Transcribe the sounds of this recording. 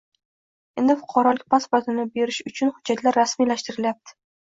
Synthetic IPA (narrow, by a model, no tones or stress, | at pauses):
end̪ɪfʊ̥qʰɑɾɒlɪkʲpʰaspoɾt̪ʰɪnɪbe̞ɾɪʃʊt͡ʃʰʊnhʊd͡ʒːat̪laɾːasmilaʃt̪ɪɾɪljap̚t̪ʰɪ̥